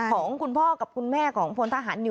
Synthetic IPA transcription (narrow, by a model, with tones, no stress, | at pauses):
kʰɔː˩˦ŋkʰu˧npʰɔː˥˩ka˨˩p̚kʰu˧nmɛː˥˩kʰɔː˩˦ŋpʰo˧nt̪ʰaː˧˩ɦaː˩˦nːi˧˩